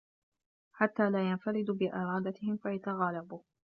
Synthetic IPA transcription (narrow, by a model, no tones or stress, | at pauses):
ħat̪ːaːlaːjanfaɾɪd̪ʊbɪʔɪɾˤɑːd̪at̪ɪhɪmfajat̪aɣaːlabʊh